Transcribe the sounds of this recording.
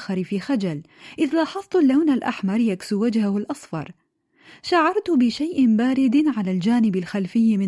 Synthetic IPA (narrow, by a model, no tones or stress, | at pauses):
xɑɾɪfixad͡ʒal | ʔɪðlɑːħɑsˤt̪ˤʊlːawnalʔa̰ħmɑɾˤjaksuwad͡ʒhahʊlʔɑsˤfɑ̰ɾˤ | ʃaʕɑɾˤt̪bɪʃajʔbaːɾɪd̪ʕalald͡ʒaːnɪbalxalfɪjːmɪ